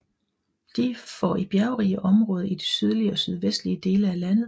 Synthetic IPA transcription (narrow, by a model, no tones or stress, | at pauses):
d̥ifɒ̰ib̥jæɐʊʁiəʔɒ̽mʁɔ̽ːð̞̩ˠid̥esyð̞ˠliəɒ̽syð̞ˠʋesd̥liəd̥e̝ːləælæn̰ð̞̩ˠ